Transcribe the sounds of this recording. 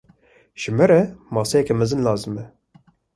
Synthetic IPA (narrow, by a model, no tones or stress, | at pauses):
ʒ̥ɨmɛɾɛmɑːsejɛkɛmɛzɨnlɑːzɨmɛ